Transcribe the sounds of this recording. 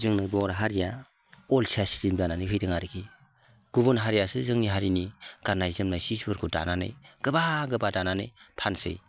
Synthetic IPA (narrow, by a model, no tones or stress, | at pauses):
zɯŋnɯbɔŋɾaɦaɾija | ɔlsaskimdananɯjpʰɯjdɯŋaɾikʰi | ɡ̥ubɯnɦaɾijasɯzɯŋniɦaɾiniɡanajzɯmnajsisbɯɾkʰuda̰nanɯ̰jɡ̥ɯbaɡɯbadananɯjpʰansɯ̰j